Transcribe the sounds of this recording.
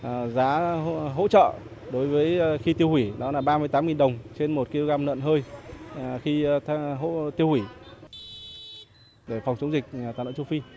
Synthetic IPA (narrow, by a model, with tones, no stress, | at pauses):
zaː˨˦ɦo̰˧˥t͡ɕə̰ː˧˨ | ɗo˨˦jvəː˨˦jxi˧t̪i˧əwhwi˧˩ɗɔ˨˦laː˨˩ɓaː˧mɨ˧ət̪a˨˦mŋi˨˩nɗə˨˩wŋ͡mt͡ɕe˧nmo˨˩t̚ki˧lo˧ɣaː˧mnə̰ː˧˨nɦəː˧j | xi˧t̪ʰɦo̰˧˥t̪i˧əwhwi˧˩ | ɗe˧˩fa˨˩wŋ͡mt͡ɕə˨˦wŋ͡mzï˨˩k̟̚t̪a̰ː˧˨no̰˧˨t͡ɕu˧wfi˧